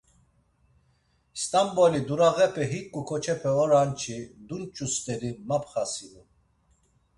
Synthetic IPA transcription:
st̪ʼambɔlid̪uɾaɣɛpʰɛɦikʼukʰɔt͡ʃʰɛpʰɛɔɾant͡ʃʰid̪unt͡ʃʼust̪ʼɛɾimapʰχasid̪u

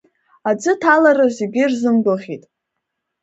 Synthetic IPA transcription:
ad͡zʷɨtʰalarɨziɡʲɪrzɨmɡʷʊlχʲitʼ

